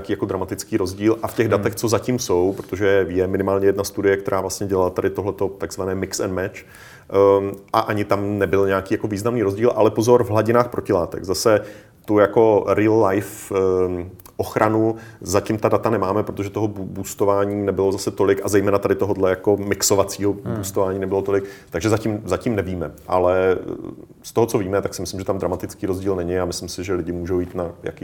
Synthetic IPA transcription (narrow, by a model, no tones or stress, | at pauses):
kiːjakod̪ɾamat̪ɪt͡skiːɾo̞zɟiːlʔafcɛɣdat̪ɛxt͡so̞zacimso̞wpɾot̪oʒɛjɛmɪnɪmaːlɲɛjɛdnast̪udɪjɛk̚t̪ɛɾaːvlast̪ɲɛɟɛlalat̪adɪt̪oɦlɛt̪o̞t̪aɡzvanɛːmɪksɛ̰nmɛt͡ʃ | ʔaʔaɲɪt̪amnɛbɪlɲɛjakiːjakoviːznamniːɾo̞zɟiːlʔa̰lɛpozoɾvɦlaɟɪnaːxpɾʔo̞cɪlaːt̪ɛ̰ɡzasɛ | t̪ujako̞ɾilːajf | ʔoxɾʔanu | zacimt̪adat̪anɛmaːmɛpɾot̪oʒɛt̪oɦobubust̪o̞vaːɲiːnɛbɪlo̞zasɛt̪o̞lɪkazɛjmɛːnat̪adɪt̪oɦodlɛjako̞mɪkso̞vat͡siːɦobust̪ovaːɲiːnɛbɪlot̪o̞lɪkt̪aɡʒɛzacimzacimnɛviːmɛʔa̰lɛ | st̪oɦo̞t͡so̞viːmɛt̪aksɪmɪslɪmʒɛt̪amd̪ɾamat̪ɪt͡skiːɾo̞zɟiːlnɛɲɪamɪslɪmsɪʒɛlɪɟɪmuːʒowjiːt̪naja̰ki